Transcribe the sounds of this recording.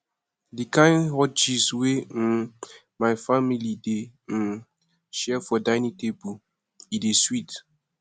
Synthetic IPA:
dikãjnhɔt͡ʃiswe | majfamilide | ʃɛfɔdajnĩtebu | ideswit

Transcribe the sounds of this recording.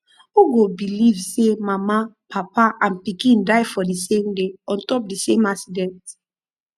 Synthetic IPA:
uɡobilivsemama | pʰapaʔãnpikĩndaɪfɔdisẽmdeɔ̃ntɔp̚disẽmaksidɛ̃nt

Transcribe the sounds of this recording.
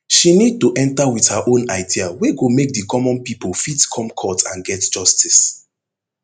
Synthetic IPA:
ʃinid̚tuʔɛ̃ntawið̥haʔõnaɪdiaweɡomek̚dəkʰɔmɔ̃npipolfitkʰɔ̃mkʰɔtã̰nɡɛtd͡ʒɔstʰis

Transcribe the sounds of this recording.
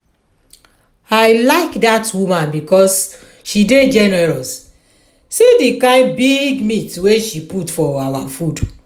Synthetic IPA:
aɪlaɪkdatwumãnbikɔs | ʃided͡ʒɛnɛɹɔs | sidikãɪbiɡmitweʃiputfɔawa̰fud

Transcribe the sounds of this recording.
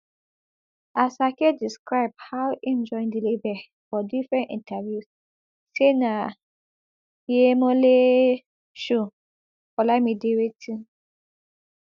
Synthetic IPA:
asakediskɹaɪb̚hawĩmd͡ʒɔ̃ɪ̃ndilibɛ | fɔdifɹɛ̃nḭ̃ntʰavjus | sena | jemɔ̃le | ʃu | fɔlamĩdewetʰĩn

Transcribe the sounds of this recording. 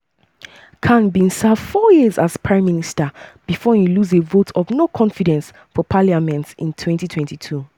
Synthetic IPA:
kʰãnbĩnsavfɔjizaz̥pʰɹãɪ̃mːinistəb̥ifɔjuluzevotʰɔvnokʰɔ̃nfidɛ̃ns | fɔpʰaliamɛ̃ntḭ̃ntʰwɛ̃ntitʰwɛ̃ntitʰu

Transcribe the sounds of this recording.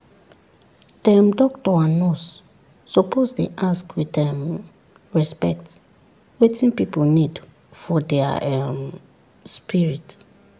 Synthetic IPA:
d̥ɛmdɔk̚tɔãnɔsː | opozdeʔaskwidɛm | ɹɛspɛkt | wetĩnpipolnid | fɔdɛa̰ɛm | spiɹit

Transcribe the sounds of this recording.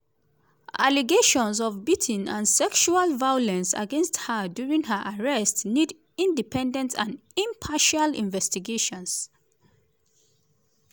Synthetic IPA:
ʔaliɡeʃɔ̃ns̬ɔvbitʰĩnã̰nsɛkʃualvajɔlɛ̃nsa̰ɡɛ̃nsthədjuɹĩŋɦəʔaɹɛstnid | ĩndipʰɛ̃ndɛ̃ntʰãnĩmpʰaʃalḭ̃nvɛstiɡeʃɔ̃ns

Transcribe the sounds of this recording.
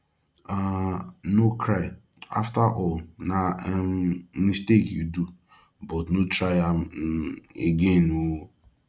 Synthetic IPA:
anokʰɾaɪ | a̰ftaʔɔlnammistekjudu | bɔtnotɾaɪam | ḛɡenowo

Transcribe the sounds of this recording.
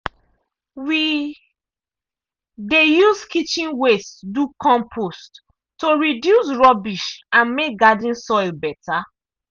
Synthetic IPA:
wi | dejuskit͡ʃĩnwesdukʰɔ̃mpʰost | tːoɹidjusɹɔbiʃãnmek̚ɡadĩnsɔjlbɛtʰa

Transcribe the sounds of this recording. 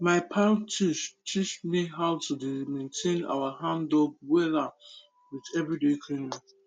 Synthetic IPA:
maɪpʰãtʰiʃtʰit͡ʃmiɦaʊtudmẽntʰẽna̰waɦãndɔɡ̚wɛla | witɛvɹidekʰɹĩnĩ

